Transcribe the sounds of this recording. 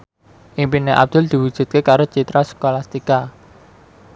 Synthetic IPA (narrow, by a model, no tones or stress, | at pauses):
ʔiŋpineʔa̰b̚d̪̥ʊ̤ld̪̥i̤wu̥ʒ̥ṳt̪̚kekaɾot͡ʃit̪ɾasə̥kolast̪ika